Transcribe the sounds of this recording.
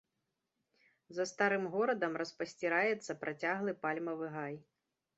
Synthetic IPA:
zɐst̪aɾɨmɣɔɾɐd̪ɐmrɐspɐsʲt͡sʲiɾajɛt̪sːɐpɾʔat͡sʲaɣlˠɨpalʲmɐvɨɣaj

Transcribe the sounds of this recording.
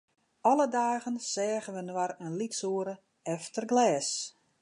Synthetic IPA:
ɔlədaːɣənsɛːɣənʋənwaɾənlitsoəɾə | ɛftərɡlɛːs

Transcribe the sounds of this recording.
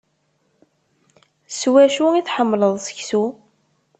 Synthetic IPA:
swæʃuiθħəmːləðˤsə̥çsu

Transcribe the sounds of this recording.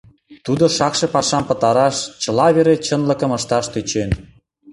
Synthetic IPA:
t̪ud̪oʃɑkʃĕpɑʃɑmpə̆t̪ɑɾɑʃt͡ɕə̆lɑβeɾet͡ɕənlə̆kə̆məʃt̪ɑʃt̪yt͡ɕen

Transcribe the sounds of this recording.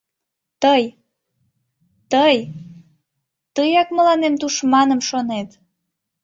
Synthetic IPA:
t̪əj | t̪əj | t̪əjɑkməlɑnemt̪uʃmɑnəmʃonet̪

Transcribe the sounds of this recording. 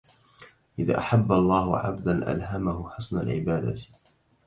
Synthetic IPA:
ʔɪða̰ːʔaħabːalˤːɑːhʊʕa̰bd̪anʔa̰lɦamaɦʊħʊsˤnalʕɪ̰baːd̪a̰

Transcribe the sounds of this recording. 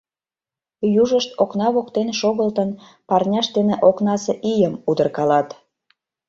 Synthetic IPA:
juʒəʃt̪oknɑβokt̪enʃoɣəlt̪ən | pɑrnʲɑʃd̪eneʔoknɑseʔijəmud̪ərkɑlɑt̪

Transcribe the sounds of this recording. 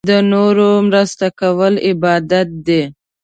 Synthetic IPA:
d̪ənoɾomɾəst̪akawəlɪbɑd̪at̪̚d̪e

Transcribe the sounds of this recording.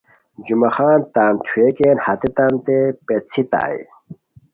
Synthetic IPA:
d͡ʑumɐxaːnt̪aːnt̪ʰwekeːnhɐt̪it̪ant̪epet͡sʰit̪a̰ːj

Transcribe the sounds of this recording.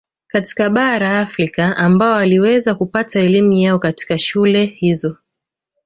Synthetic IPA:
kati̥kaɓaɾaːfɾikaambaɔaliwɛzakupataɛlimujaɔkati̥kaʃulɛhizɔ

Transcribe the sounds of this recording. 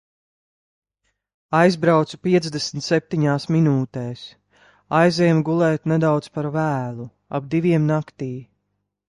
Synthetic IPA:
ajzbɾawt̪supiɛt̪zd̪ɛsmt̪sep̚t̪iɲaːsminuːt̪ɛːs | ajzɛːmɡulˠɛːt̪nɛd̪awt̪spaɾvæːlˠu | a̰b̚d̪iviɛmnakt̪iː

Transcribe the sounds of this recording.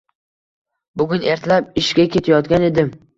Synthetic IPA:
bʊɡʲʊne̞ɾt̪ʰlap̚ɪʃɡʲakʲʰe̞t̪ʰajɒt̪ɡʲane̞d̪ɪm

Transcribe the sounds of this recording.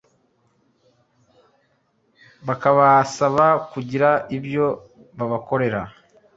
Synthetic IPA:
βakaβasaβakuɟiɾaibjo̞ | βaβako̞ɾe̞ɾa

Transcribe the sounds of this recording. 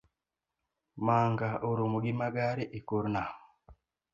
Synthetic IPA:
maŋɡaoɾumuɡimaɡaɾiʔikoɾna

